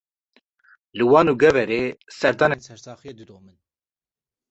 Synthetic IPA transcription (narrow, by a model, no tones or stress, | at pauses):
lɨwɑːnuːɡɛvɛɾeːsɛɾd̪ɑːnensɛɾsɑːxijed̪ɨd̪oːmɨn